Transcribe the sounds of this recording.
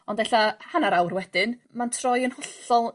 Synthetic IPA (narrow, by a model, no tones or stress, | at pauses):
ɔndɛɬahanaɾawrwɛd̥ɪnmantʰrɔjənhɔɬɔlˠ